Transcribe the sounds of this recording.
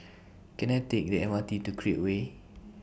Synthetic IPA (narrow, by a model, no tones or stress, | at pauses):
ɡ̥ɛnɛtɪk̚dɛɛ̃nwãtitukʰɹiəʔwe